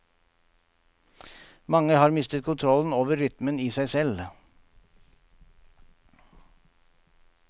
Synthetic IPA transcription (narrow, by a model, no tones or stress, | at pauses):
mɑŋəhɑːɾmɪst̪ət̪̚kʰʊnt̪ʰɾɔln̩oːʋəɾʏt̪məniːsæɪsɛl